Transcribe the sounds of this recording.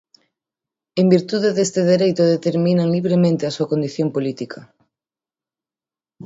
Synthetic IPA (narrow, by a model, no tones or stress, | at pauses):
embiɾt̪uðeðest̪eðeɾejt̪oðet̪eɾmĩnaŋliβ̞ɾemẽnt̪easuakond̪iθjompolit̪ikʰa